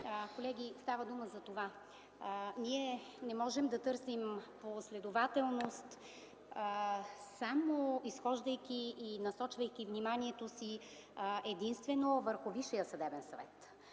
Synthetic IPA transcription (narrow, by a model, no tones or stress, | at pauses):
kolɛɡʲist̪avəd̪uməzɐt̪ova | niɛnɛmɔʒɛmd̪ɐt̪ɤɾsimposlɛd̪ovat̪ɛlˠnost̪ | samoisxɔʒd̪əjkʲiːnɐsɔt͡ʃvəjkʲivnimaniɛt̪osi | ɛd̪inst̪vɛnovəɾxoviʃijəsɐd̪ɛbɛnsɐvɛ̰t̪